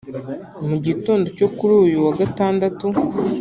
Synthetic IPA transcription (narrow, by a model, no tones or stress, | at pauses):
muɟitoːndo̞co̞kuɾuːjuwaɡataːndatu